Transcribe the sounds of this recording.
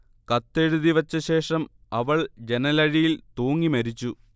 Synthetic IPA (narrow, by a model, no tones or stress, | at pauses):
kɐt̪ːe̞ɻuðiʋɐt͡ɕːɐɕe̞ːʂɐm | ɐʋɐɭd͡ʑe̞nɐlɐɻijilt̪oːŋːimɐɾit͡ɕːu